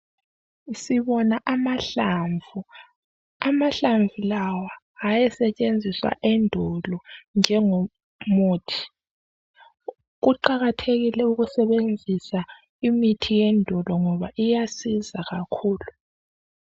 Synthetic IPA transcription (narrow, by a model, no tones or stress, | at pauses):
siβɔnaʔamaɬaɱvu | amaɬaɱvʱulawaː | jɛsɛt͡ʃʼend͡zʱiswa̰ʔɛndʱɔlɔnd͡ʒʱɛŋɔ | moːtʰi̥ | ɣuǃaɣatʰeɣilɛuɣusɛβend͡zʱisa | imitʰijɛndʱɔlɔŋɔβaʔijasizaɣakʰuːlu